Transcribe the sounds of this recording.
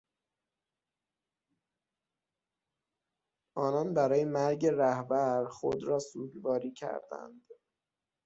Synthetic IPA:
ʔɒːnɒnbæɾɒːjemæɾɟeɾæhbæɾxo̰d̪ɾɒːsuːɟbɒːɾiːcʰæ̰ɾd̪æ̰nd̪̥

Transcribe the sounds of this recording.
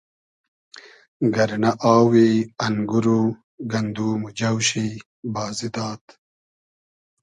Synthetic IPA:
ɡɐɾnaʔaːwiɐŋɡuɾu | ɡɐnd̪uːmud͡ʑɐwɕi | bɑːzid̪ɑːt̪

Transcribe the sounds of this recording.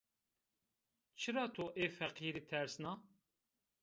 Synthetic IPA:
t͡ʃʰɨɾɑːt̪ʰoːʔeːfɛqiːɾiːt̪ʰɛɾsnɑː

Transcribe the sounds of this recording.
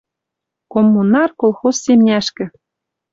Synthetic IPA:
komːunɑrkolˠxosːemnʲæʃkɘ̆

